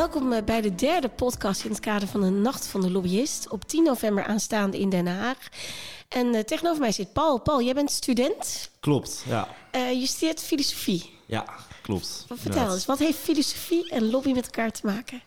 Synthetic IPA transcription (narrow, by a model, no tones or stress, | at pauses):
ʋɛlˠkɔmbɛjdədɛɹdəpɔtkɑstɪnətkaːdəɹvɑndənɑxtfɑndəlobiɪstɔptinːovɛmbəɹʔaːnstaːndəɪndɛnəɦaːxʔɛnteɣənoːvəɹmɛjsɪt̚pɑlˠpɑlˠjɛjbɛntstydɛntklɔpta̰jəstɪɹtfilosofi | ja̰klɔ̰ptfəɹtɛlˠsʋɑtɦejftfilosofiɛnlobimɛtɛlˠkaːɹtʰəmaːkə